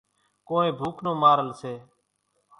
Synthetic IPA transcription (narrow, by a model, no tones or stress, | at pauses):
koːẽːbʱuːkʰnoːmaːɾəlseː